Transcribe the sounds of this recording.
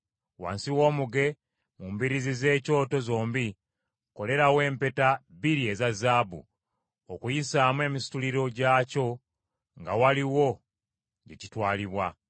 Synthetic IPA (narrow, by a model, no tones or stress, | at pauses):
wa̰ːnsiwo̞ːmuɡe̞ | mumbiɾizize̞ːco̞ːto̞zo̞ːmbi | ko̞le̞ɾawe̞ːmpe̞taβiɾie̞zazaːbṵ | okujisaːmwe̞ːmisi̥tuliɾo̞ɟaːco̞ | ŋɡawaliwo̞ | ɟe̞citwaːliβwa